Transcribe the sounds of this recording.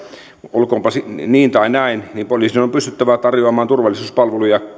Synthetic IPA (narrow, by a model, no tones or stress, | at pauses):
olkoːmpɑsiniːnt̪ɑinæinniːmpoliːˑsinompyst̪yt̪ːæʋæt̪ɑrjoɑmɑːnt̪urʋɑlːˑisuːspɑlʋelujɑ